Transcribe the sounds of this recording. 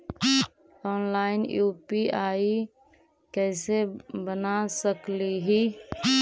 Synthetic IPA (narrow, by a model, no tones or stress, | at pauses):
ɔːnlaːɪnjuːpiaːi | kɛːsebənasəkliɦi